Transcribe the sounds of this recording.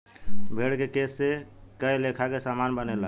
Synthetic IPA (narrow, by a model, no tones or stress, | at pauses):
bʱeɽkekesːekəjlekʰakesamanbənelə